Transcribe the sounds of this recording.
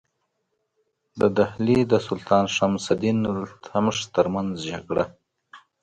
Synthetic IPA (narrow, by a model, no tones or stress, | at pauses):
d̪əd̪ahlid̪əsʊlt̪ʰɑnʃamsad̪inlt̪ʰamʂt̪əɾmanzd͡ʒaɡɽa